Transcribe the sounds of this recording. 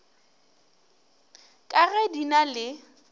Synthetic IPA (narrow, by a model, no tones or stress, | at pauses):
kʼaɣɛdinalɪ